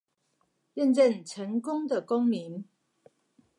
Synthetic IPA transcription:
jɛ˥˧nʈ͡ʂə˥˨nʈ͡ʂʰə˨˥ŋkʊ˥ŋd̪ə˨kʊ˦ŋmi˨˦n

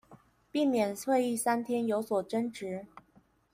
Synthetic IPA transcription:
pi˥˩mjɛ˨˩nsʰwe˥˧ɪi˥˩sa˥nt̪ʰjɛ˥njo˧˥ʊswɔ˨˩ʈ͡ʂə˥nʈ͡ʂɻ̩˧˥

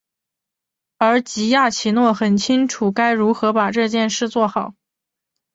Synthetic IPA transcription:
ə˞˧˥t͡ɕi˧˥ja˥˩t͡ɕʰi˧˥nwɔ˥˩xə˨˩nt͡ɕʰi˥ŋʈ͡ʂʰu˨˩ka˥ɪɻu˧˥xɤ˧˥pa˨˩ʈ͡ʂɤ˥˧t͡ɕjɛ˥˧nʂɻ̩˥˧t͡swɔ˥˩xɑ˨˩˦ʊ

